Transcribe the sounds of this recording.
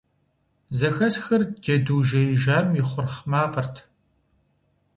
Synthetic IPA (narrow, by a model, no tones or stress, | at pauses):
zɐxɐsxɐrɡ̥ʲɐduːʒɐjɪʒaːmjɪχʷʊrχmaːqərtʰ